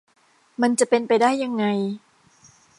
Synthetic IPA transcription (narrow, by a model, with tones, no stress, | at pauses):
ma˧nt͡ɕa˨˩ʔpe˧npa˧jdaː˥˩jːa˧ŋːa˧j